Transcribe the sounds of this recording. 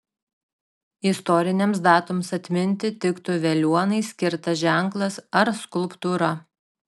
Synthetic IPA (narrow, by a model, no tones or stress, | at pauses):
ɪst̪ɔɾʲɪnʲɛms̬d̪ɑːt̪ʊmsɐt̪ʲmʲɪnʲt̪ʲɪt̪ʲɪkt̪ʊʋʲɛlʲuɔnɐɪsʲkʲɪɾt̪ɐʒʲæˑŋklˠɐsɐɾskʊlˠpt̪uɾɐ